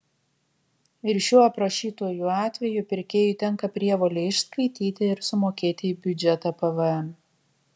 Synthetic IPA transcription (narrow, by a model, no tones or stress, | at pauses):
ɪɾʃʲuɔɐpɾɐʃʲiːt̪oːjuɑːt̪ʲʋʲɛjʊˑpʲɪɾʲkʲeːjʊt̪ʲɛŋˑkɐpʲɾʲiɛʋoːlʲeɪʃskɐɪt̪ʲiːt̪ʲɪɪɾsʊmoːkʲeːt̪ʲɪiːbʲʊd͡ʒʲɛt̪ɐpɐʋɛɛm